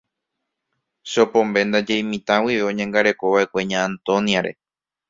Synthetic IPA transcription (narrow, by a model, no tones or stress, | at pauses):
ʃo̞põ̞mbe̞nd̪ad͡ʒe̞jmĩt̪ãwiʋeõ̞ɲẽ̞ŋɡaɾe̞ko̞βaʔe̞kʷe̞ɲãːnt̪o̞nijaɾe̞̰